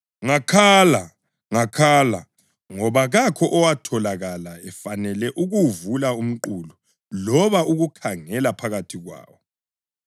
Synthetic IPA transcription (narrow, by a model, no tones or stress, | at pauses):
ŋakʰaːla | ŋakʰaːla̰ | ŋɔβaɣakʰɔʔɔwatʰɔlaɣalaɛfanɛlɛʔuɣuvulaum̩ǃulu | lɔβaʔuɣukʰaŋɛlapʰaɣatʰiɣwa̰ːwɔ